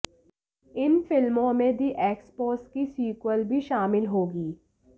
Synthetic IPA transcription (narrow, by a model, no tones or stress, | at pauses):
ɪnfɪlmõmẽd̪ʱiʔeːkspoːskisiːkwəlbʱiʃaːmɪlɦoːɡiː